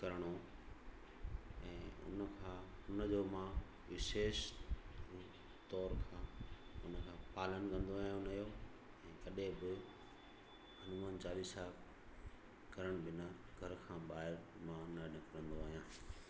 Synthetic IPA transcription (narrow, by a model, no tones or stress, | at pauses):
kɐɾɽ̃o | ɛ̃ːʊ̰nəkʰãʊnəd͡ʑoːmã | ʋɪʃeːʃ | t̪ɔːɾkʰãːʊnə̆kʰãːpaːlənkɐ̃nd̪oaːɦijõnɐijo | ɛ̃ːkɐɗẽbɪ | ɦɐnʊmənt͡ɕaːlisaː | kɐɾəɽ̃bɪnaɡʱɐɾkʰãːɓaːɦɪɾmãnaɗɪ̃kɾə̃nd̪oaːɦijãː